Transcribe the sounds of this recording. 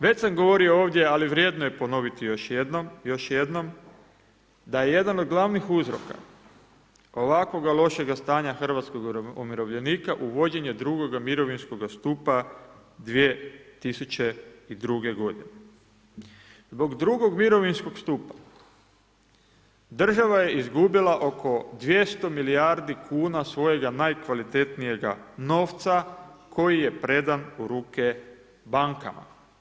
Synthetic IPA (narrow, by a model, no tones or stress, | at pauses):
ʋe̞saŋɡo̞ʋo̞ɾiooːʋd̪je̞aliʋɾje̞ːd̪noje̞po̞no̞ʋit̪ijoʃjo̞ʃjed̪no̞m | d̪aje̞je̞d̪anod̪̚ɡlˠaʋnixuzɾo̞̰ka̰ | o̞ʋakʋo̞ɡalˠo̞ʃe̞ɡast̪aːɲaxr̩ʋat̪skoɡumiɾo̞ʋʎe̞niːkaʔuʋo̞d͡ʑe̞ɲe̞d̪ɾuɡo̞ɡamiɾo̞ʋinsko̞ɡast̪uːpa | d̪ʋie̞t̪isut͡ɕe̞id̪ɾuɡe̞ɡo̞d̪ine | zbo̞ɡd̪ɾuɡo̞ɡmiɾo̞ʋinsko̞ɡst̪upḁ | d̪r̩ʒaʋaje̞izɡubilˠaʔo̞kʰo̞d̪ʋje̞st̪o̞miliaɾd̪ikʰuːnasʋo̞je̞ɡanajkʋalit̪e̞t̪nije̞ɡa̰no̞ːft̪sakʰo̞jije̞pɾe̞d̪anuɾuːke̞ | baŋka̰ma̰